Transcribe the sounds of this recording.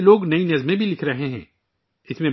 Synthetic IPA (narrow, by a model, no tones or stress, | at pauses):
loːɡnɐinɐzmẽbʱilɪkʰɾɐɦeɦɛ̰̃ː | ɪsmẽ